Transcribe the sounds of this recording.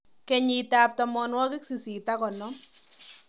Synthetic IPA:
kɛ˨ɲi˨ta˨p̚tɔ˨mɔ˧nwɔ˦kɪ˦ksi˨si˨ta˦kɔ˨nɔ˦

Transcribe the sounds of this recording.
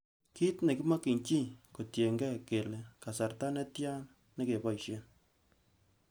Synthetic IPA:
ki˦tne˨ki˦ma˦ki˨ɲt͡ʃi˦ko˨tje˨ŋɡɛ˦ke˨le˨ka˨sa˨rta˦nɛ˦tja˦nː | e˦ke˨bɔ˦jʃe˦n

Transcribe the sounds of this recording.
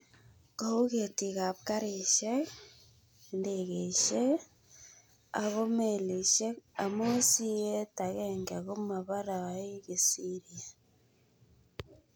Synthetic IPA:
ka˨u˦ɣe˨ti˨ɣa˨p̚ka˦ɾe˨ʃe˦ | endeɣe˨ʃe˦ | a˨ɣo˦meli˨ʃe˦a˨mo˦si˦je˦ta˨ɣeŋɡe˨ɣo˦ma˨βa˦ɾa˨a˨i˦ɣe˨siɾia˨

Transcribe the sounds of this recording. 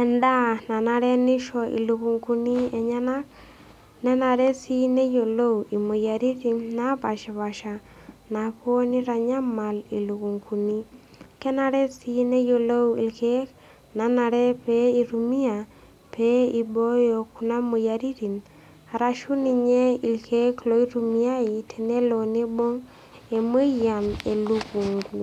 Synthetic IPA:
ɛ˨nda˦na˨na˨ɾɛ˦nɪ˦ʃɔ˨ʔḭ˨lu˨ku˨ŋku˦ni˦ɛ˨ɲa˦na˦k̚ | nɛ˦na˨ɾɛ˦si˦ne˦jo˨lo˦wi˨mu˨ja˨ɾi˦ti˨nna˦pa˨ʃa˨βa˨ʃa˨ | na˨po˦ni˦ɾa˨ɲa˦ma˨li˨lu˨ku˨ŋkʰu˨ni˦ | kɛ˦na˨ɾɛ˦si˦ne˦jo˨lo˦wḭ˨lke˦k | na˨˦na˨ɾɛ˦pe˦i˨ɾu˨mi˦a˨ | pe˦i˨bo˦jo˨ku˨na˦mo˨ja˨ɾi˦ɾi˨n | a˨ɾa˨ʃu˦ni˨ɲe˦i˨lkʰe˦klo˨˦i˦ɾu˨mi˦a˦i˨tʰɛ˨ne˦lo˨ne˦bo˦ŋ | e˨me˦ja˨me˨lu˦ku˨ŋku˨

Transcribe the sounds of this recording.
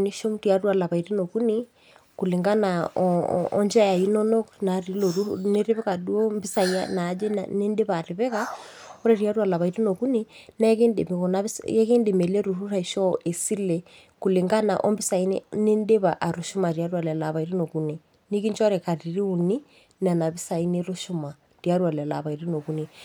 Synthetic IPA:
ni˦ʃo˦mɾi˨a˦rwa˨la˨βa˨i˨ɾi˦no˨ku˦ni˦ | ku˨le˨ŋɡa˦na̰˨ | ɔ̰˦nd͡ʒa˦ja˨inɔ˦nɔ˦kna˨ɾi˨˦lo˨ɾu˦ne˦ɾe˦βɛ˦ka˨du˦o˦mbɪ˦sa˨ia̰˦na˨˦d͡ʒḛ˦ne˦nde˦βa˨ɾe˨βɛ˦ka˦o˦ɾe˨ɾja˦ɾa˨la˨βa˨i˨ɾe˦no˨ku˦ni˦na˦ɛ˦ke˦nde˨me˨kɔ˨na˦sɛ˦ke˦nde˨me˨le˦ɾu˨ru˦ra˨i˨ʃɔ˦ʔe˨si˦lɛ˨ | ku˨le˨ŋɡa˦na̰˨ʔɔ̰˦mbɪ˦sa˨i˦n̰˦ne˦nde˦βa˨ʔa˨ɾu˨ʃu˦ma˨ɾia˦ɾwa˨lɛ˨la˨βa˨i˦ɾi˦no˨ku˦ni˨ | ni˦ki˦nt͡ʃɔ˦ɾɛ˨ka˨ɾi˨ɾi˦u˨ni˦ | na˨na˨βi˦sa˨i˦ne˦ɾo˦ʃu˦ma˨ | rja˦ɾwa˨lɛ˨a˨la̰˨βa˨iɾi˦no˨ku˦ni˨

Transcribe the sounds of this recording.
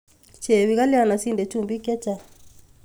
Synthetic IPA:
t͡ʃe˨βi˨ɣa˦lɛ˦a˦˨na˨si˦ndɛ˨t͡ʃu˦˨mbi˦kɛ˦t͡ʃa˦˨

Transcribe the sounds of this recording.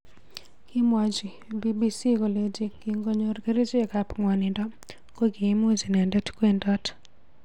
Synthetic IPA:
kɪ˦mwa˨d͡ʒi˨ | bi˦bi˦si˦ko˨le˦d͡ʒi˦kːiŋɡo˦ɲo˦ɾke˦ɾe˦d͡ʒe˦ka˦pŋwa˨nɪ˨ndɔ˦ | ko˦ɡi˨˦mu˦zi˨nɛ˨ndɛ˦tke˦ndɔ˦t

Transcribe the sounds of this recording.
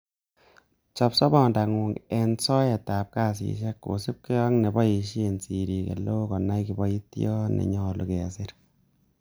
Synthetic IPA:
t͡ʃɔ˨psɔ˦bɔ˨nda˨ŋu˨ŋɛ˨nsɔ˦ɛ˨ta˨p̚ka˦˨s̬ḭ˨ʃɛ˦kːo̰˨sɪ˦p̚ke˦jɔ˦ŋnɛ˨bɔ˦e˨ʃe˨nsi˨ɾi˨kḛ˨lo˦kɔ˨na˦jki˨bɔ˦i˦tjɔ˦nḛ˨ɲɔ˦lu˨kɛ˨a˨sɪ˦ɾ

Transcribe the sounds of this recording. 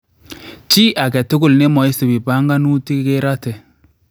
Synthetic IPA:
t͡ʃi˦ʔa˨kɛ˨tʊ˦kʊ˨lne˦mɔ˨i˦si˨bi˨pa˦ŋɡa˦nu˦ti˦ke˦ɾa˦tɛ˨

